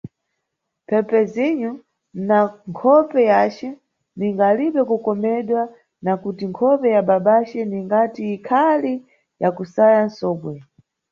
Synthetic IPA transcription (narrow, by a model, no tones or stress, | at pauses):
pʰɛpɛziɲu | naŋkʰɔpɛjat͡ʃɛ | niŋɡaːliɓɛkukɔmɛɗwa | nakutiŋkʰɔpɛjaɓaɓat͡ʃɛniŋɡatiːkʰali | jakusajan̩sɔːɓwɛ